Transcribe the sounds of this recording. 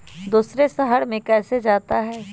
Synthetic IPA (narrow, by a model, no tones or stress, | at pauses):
d̪uːsɾesɐɦəɽmẽkɛːsed͡ʒaːt̪aɦɛː